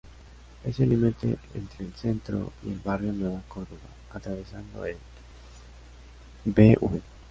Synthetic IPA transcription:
eselimet̪ḛḛnt̪ɾelθe̞nt̪ɾo̰ielβarjonweβakoɾðoβa̰ | at̪ɾaβesand̪o̰el | beʔue

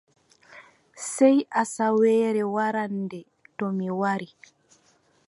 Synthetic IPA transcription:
sɛjʔasawɛːɾɛwaɾandɛ | tɔmiwaɾi

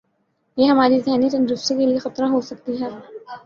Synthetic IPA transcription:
jeɦɐmaːɾizɛːnit̪ɐ̃nd̪ɾʊfsekeliexɐt̪ɾaɦosɐk̚t̪iɦɛː

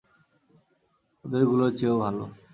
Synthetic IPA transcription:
od̪eɾɡulot͡ɕeobʱalo̰

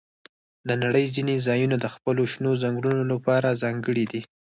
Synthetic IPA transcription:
d̪ənaɽəjzinezɑjunad̪əxpəloʃnozaŋɡɽunolapɑɾazɑŋɡəɽid̪i

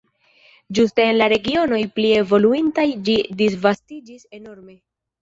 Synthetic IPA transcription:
d͡ʒuste̞ːnlaɾe̞ɡio̞no̞jplie̞vo̞luintajd͡ʒidisvastid͡ʒise̞no̞ɾme̞

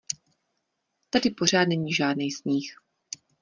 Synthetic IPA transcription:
t̪adɪpo̞r̝aːd̪nɛɲiːʒaːdnɛjsɲiːx

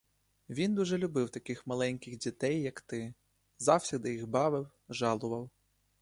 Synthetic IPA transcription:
ʋʲind̪uʒɛlʲʊbɪwt̪ɐkɪxmɐlˠɛnʲkɪɣdʲit̪ɛjːɐkt̪ɪ | zɑwsʲid̪ɪjixbɑʋɪw | ʒɑlˠʊʋɐw

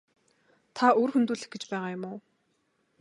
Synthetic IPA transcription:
t̪ʰaoːrxunt̪uːɮɘ̆xɡet͡ɕpæːʁaːjʊmʊː

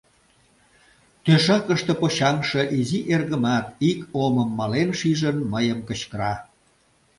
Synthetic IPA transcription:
t̪øʃɑkəʃt̪ĕpoɕɑmʃeʔiziʔerɣəmɑt̪ikoməmːɑlenʃiʒənməjəmkət͡ɕkəɾɑ

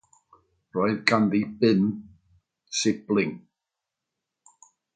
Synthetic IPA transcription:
rɔɨðɡanðibɪn | sɪblˠɪŋ

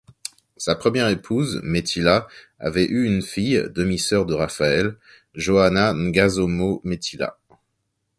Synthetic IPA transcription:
sapχəmjɛʁepʰuzmet̪ʰila | a̰vɛʔyynfijd̪əmisœʁd̪əʁafaɛl | ʒoananɡazomomet̪ʰila̰

